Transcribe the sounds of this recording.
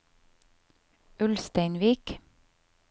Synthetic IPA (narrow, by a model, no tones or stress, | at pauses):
ʉlst̪æɪnʋiːk